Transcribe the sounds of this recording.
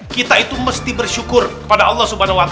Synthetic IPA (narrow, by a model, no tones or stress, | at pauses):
kit̪ait̪uməst̪ibərʃukʊrkə̥padaʔɑlˠːɑhsubanawat̪